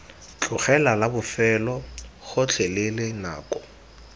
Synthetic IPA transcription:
t͡ɬʼʊχɛlalabʊfɛlɔχʊt͡ɬʰɛlelɪna̰ːkʼɔ

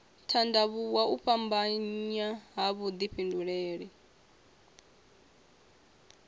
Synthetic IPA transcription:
tʰandaβuwauɸambaɲɲaɦaβud̪iɸʰinduɺeːɺi

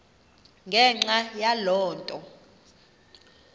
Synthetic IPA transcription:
ŋɡʱɛŋ͡ǁajalɔːntʼɔ

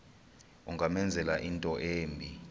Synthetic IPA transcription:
uŋʱamɛnd͡zʱɛlaʔintʼɔʔeːmbʱi

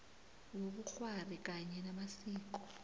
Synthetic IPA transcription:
wokuk͡xwarik̬ʼaɲɛnamasiːk̬ɔ̥

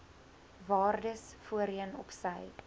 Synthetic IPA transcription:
vɑːrdəsfuəɾiənɔpsəj

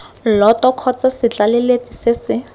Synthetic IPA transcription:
lɔtɔkʰɔt͡sasɪt͡ɬalɛlet͡sʼisɪsɪ

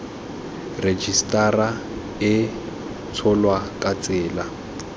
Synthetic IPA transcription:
red͡ʒistʼara | ɪ | t͡sʰɔlwakʼat͡sʼɪːla

